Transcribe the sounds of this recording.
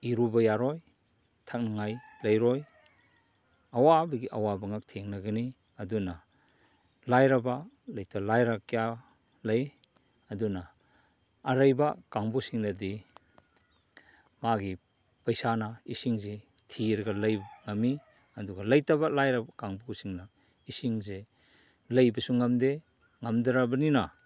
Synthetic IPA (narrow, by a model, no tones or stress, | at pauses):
iɾubɐjaɾɔj | tʰak̚naŋajlɐjɾɔj | ɐwabɐɡiʔɐwabɐŋak̚tʰeŋnɐɡɐni | ɐduna | lajɾɐba | lɐjtalajɾakija | lɐj | ɐdunaː | ɾɐjbakaŋbusiŋnɐdi | maɡi | pɐjsanaisiŋze | tʰiɾɡɐlɐjbŋɐmi | ɐduɡalɐjtabalajɾabakaŋbusiŋna | isiŋze | lɐjbɐsuŋɐmde | ŋamdaɾabɐnina